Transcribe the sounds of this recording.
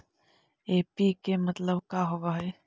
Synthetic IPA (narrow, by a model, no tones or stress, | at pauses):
eːpikemɐt̪ləbkaɦoʋaːɦeː